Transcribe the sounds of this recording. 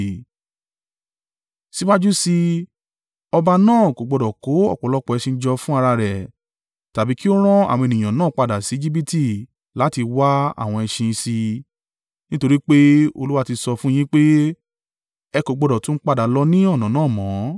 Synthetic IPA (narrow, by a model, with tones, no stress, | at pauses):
si˦wa˦d͡ʒu˦si˧ | ɔ˧ba˧nãː˦˨ko˨ɡ͡bɔ˧dɔ˨ko˨˦ɔ̰˦˨k͡pɔ˨lɔ˧˦k͡pɔ˨ɛ˨˧ʃĩ˧n̩˦d͡ʒɔ˧fũ˦a˧ɾa˧ɾɛ˨ | ta˨bi˨˦ki˦o˦ɾ̃ɔ̃˦a̰˨w̃ɔ̃˧e˨nĩ˨ã˨nãː˦˨k͡pa˧da˨si˨˦d͡ʒi˦b̬i˦ti˧ | la˨˦ti˧wa˦a̰˦˨w̃ɔ̃˧ɛ˧ʃĩ˧si˧ | nĩ˦to˧ɾi˦k͡pe˦o̰˧lu˦wa˦ti˧sɔ˧fũ˦j̃ĩ˦k͡pe˦ | ɛ˧ko˨ɡ͡bɔ˧dɔ˨tũ˦n̩˦k͡pa˦da˨˦lɔ˧nĩ˦ɔ˦˨nã˨nãː˦˨mɔ̃˨˦